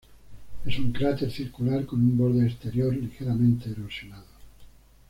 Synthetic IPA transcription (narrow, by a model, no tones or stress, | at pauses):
e̞suŋkɾat̪e̞ɾθiɾkulaɾko̞numboɾðeːst̪e̞ɾjoɾlixeɾamẽnt̪eːɾusjonaðo